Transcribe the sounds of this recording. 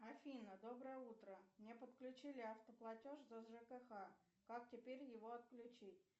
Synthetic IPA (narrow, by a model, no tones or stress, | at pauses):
ɐfʲinəd̪o̞bɾəjəut̪ɾəmnʲe̞pət̪klʲʉt͡ɕilʲɪɐft̪əplˠɐtʲoʂzəzʐɛkəxa | kak̚tʲɪpʲeɾʲjɪvoɐt̪̚klʲʉt͡ɕitʲ